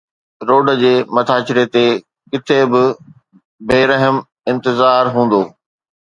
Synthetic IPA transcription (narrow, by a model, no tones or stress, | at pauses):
ɾoːɖəd͡ʑeːmɐt̪ʰaːt͡ɕɪɾet̪e | kɪt̪ʰebɪ | beːɾɐɦəm | ɪ̃nt̪ɪzaːɾɦũːn̆d̪oː